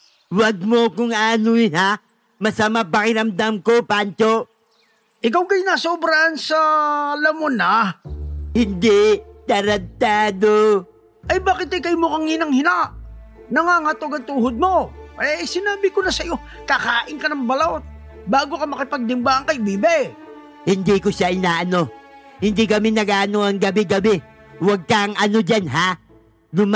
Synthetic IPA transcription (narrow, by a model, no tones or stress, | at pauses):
wɐɡ̚mokʊŋaːnʊjɪna | mɐsɐmapɐkɪɾɐmd̪amkopant͡ʃo | ʔɪk̬awkɐjnasoʊbɾansɐlɐmonɐ | hɪnd̪ɪt̪ɐɾɐd̚t̪aːd̪o | ʔɐjbaːkɪt̪ɐjkɐjmʊkɐŋhɪnɐŋhɪnaʔ | nɐŋaːŋɐt̪oɡɐŋt̪uːhod̪̚moʔɛsɪnaːbɪkonɐsɐjo̞ | kakaːʔɪŋkɐnɐŋbɐlaʔot̪̚ | baːɡokɐmɐkɪpɐɡ̚d̪ɪmbaːʔɐŋkɐjbiːbɛ | hɪnd̪ikoʃaʔɪnaːʔɐno̞ | hɪnd̪ikɐmɪnɐɡaːʔɐnoɐŋɡɐbɛɡɐbɛ | wɐɡ̚kɐŋʔɐno̞d͡ʒanɦa | d̪ʊm